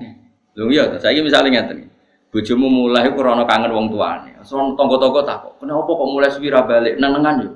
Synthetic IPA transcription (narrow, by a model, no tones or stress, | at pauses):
luŋijɔt̪ɔsaikimisa̰liŋat̪əŋḭ | b̥ɔ̤d̥ʒ̥ɔ̤mumulaɦikuɾɔnɔkaŋənwɔŋt̪ua̰nḛsɔnt̪ɔŋɡɔt̪ɔŋɡɔt̪akɔ̰ʔkəneɔpɔkɔʔmulaswiɾabaleʔnəŋnəŋanju